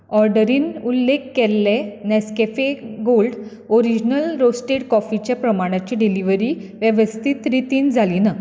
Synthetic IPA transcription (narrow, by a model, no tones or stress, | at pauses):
ɔɾɖəɾiːnulːekːelːenɛskefeɡolɖ | oɾid͡ʑnəlɾosʈeʈkɔfit͡ɕjapɾəmaɽ̃at͡ɕiɖiliʋəɾiːʋjəʋəst̪ʰit̪ɾit̪iːnd͡zʱalina